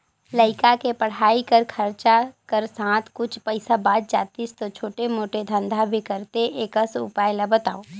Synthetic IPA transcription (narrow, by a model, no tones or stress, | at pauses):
ləɪkakepəɽ̤aːikəɾkʰəɾt͡ʃakəɾsãːt̪ʰkʊt͡ʃʰpəɪsabaːd̪̚d͡ʒaːt̪ist̪ot͡ʃʰoːʈemoːʈed̪ʱə̃nd̪ʱabʱikəɾt̪eʔeːkəsṵpaːjlabət̪a̰ːo